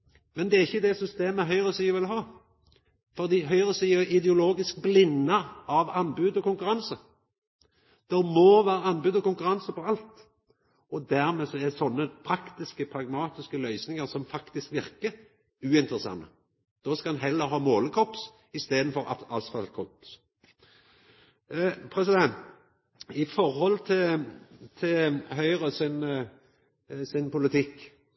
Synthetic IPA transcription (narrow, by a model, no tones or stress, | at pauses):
mɛnd̪ɛæɾɪçːəd̪ɛsʏst̪eːməɦœʏʁəsyːʋɪlɦɑː | fɔʁd̪iːɦœʏʁəsyːɪd̪ɛʊloːɡɪsk̚blɪnːəɑʋɑnbʉːd̪ɔkʊŋkʉɾɑnsə | d̪̥ɛmɔʋæːɾəɑnbʉːd̪ɔkʊŋkʉɾɑnsəfɔɾɑlt̪ | ɔd̪æɾmɛːsɔɛsɔnːəpʰɾɑkt̪ɪskəpʰɾɑɡmɑːt̪ɪskəlœʏsnɪŋəɾsɔmfɑkt̪ɪskʋɪʁkəɾ | ʉːɪnt̪əɾəsɑ̰nːə̰ | d̪̥ɔːskɑd̪ɛnɦɛlːəɾɦɑːmoːləkʰɔps | ɪst̪eːd̪n̩fɔɾɑɑlsfɑlt̪kʰɔps | pʰɾɛsɪd̪ɛnt̪ | ɪfɔɾhɔlːt̪ʰɪ | t̪ʰɪlhœʏɾəsɪn | sɪnpʊlɪt̪ʰɪkː